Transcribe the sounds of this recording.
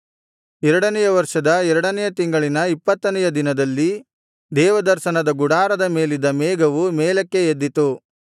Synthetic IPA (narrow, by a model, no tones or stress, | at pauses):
ɛɾɐɽɐnɛjɐʋɐɾʂɐd̪ɐɛɾɐɽɐnɛjɐt̪iŋɡɐɭinɐipːɐt̪ːɐnɛjɐd̪inɐd̪ɐlːi | d̪ɛːʋɐd̪ɐɾʃɐnɐd̪ɐɡuɽaːɾɐd̪ɐme̞ːlid̪ɐmeːɡɐʋumɛːlɐkːeed̪ːit̪u